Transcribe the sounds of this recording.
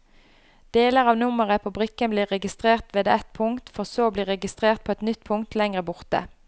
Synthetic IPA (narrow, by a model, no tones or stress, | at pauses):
d̪̥eːləʁɑːʋnʊməʁəpʰobʁɪkːənbliːʁɛɡɪst̪ʁeːʁt̪ʋeːd̪əʔɛt̪pʰʊŋt̪fɔʁsoːbliːʁɛɡɪst̪ʁeːʁt̪̚pʰoːɛt̪nʏt̪pʰʊŋt̪ʰlɛŋʁəbʊʁt̪ə̰